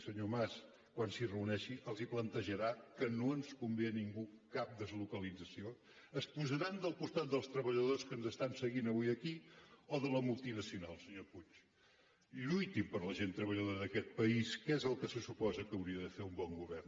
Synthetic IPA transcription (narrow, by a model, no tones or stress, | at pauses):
səɲomas | kwansirəunɛʃiʔəlˠziplənt̪əʒəɾakənoənskumbiəniŋɡukap̚d̪əzlukəlidd͡zəsio | əspuzəɾand̪əlˠpust̪at̪̚d̪əlˠst̪ɾəβəʎəðoskənzəst̪ansəɣinəβuiəkioðələmulˠt̪inəsiunalˠsəɲoput͡ʃ | ʎujt̪ipəɾləʒent̪ɾəβəʎəðoɾəðəkɛt̪̚pəiskezəlˠkəsəsupɔzəkəwɾiəðəfeumbɔŋɡuβɛrn